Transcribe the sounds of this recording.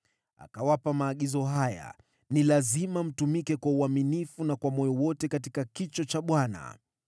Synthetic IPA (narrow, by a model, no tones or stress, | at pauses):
a̰kawapamaːɠizɔɦaja̰ | nilazimam̩tumikɛkwauaminifunakwamɔjɔwɔtɛkatikakit͡ʃɔt͡ʃaɓwana̰